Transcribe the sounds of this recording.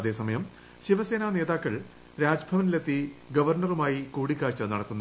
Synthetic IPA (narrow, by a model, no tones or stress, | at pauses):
ɐðe̞ːsɐmɐjɐm | ɕiʋɐse̞ːnaːne̞ːðaːkːɐɭ | ɾaːd͡ʑɐbʱɐʋɐnilet̪ːiɡɐʋɐrɳɐrumaːjikuːɽikʲːaːrt͡ɕːɐnɐɽɐt̪ːunːu